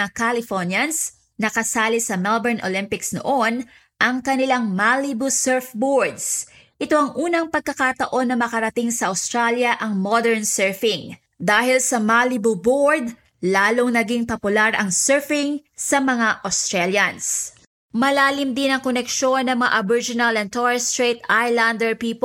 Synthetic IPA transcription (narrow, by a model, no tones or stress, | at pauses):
kalɪfonjɐns | nɐkɐsaːlɪsɐmɛlbɛɹnʔolɪmpɪksno̰ʔo̞n | ʔɐŋkɐnɪlaŋmalibusɛɹfboɹd̪s | ʔɪt̪o̞ɐŋʔuːnɐŋpɐɡ̚kɐkat̪ɐʔo̞nːɐmɐkɐɾɐt̪iŋsɐʔɐwst̪ɾaljɐʔɐŋmod̪ɛɹnsɛɹfɪŋ | d̪aːhɪlsɐmalibuboɹd̪̚ | laːloŋnɐɡiŋpɐpʊlaɾʔɐŋsɛɹfɪŋsɐmɐŋaʔɐst̪ɾɛljɐns | mɐlaːlɪmd̪ɪnɐŋkonɛkʃo̞nːɐŋmɐŋa̰ʔɐbɪd͡ʒɪnɐlɛnt̪ɔɹɛst̪ɹejt̪ajland̪ɛɹpiːp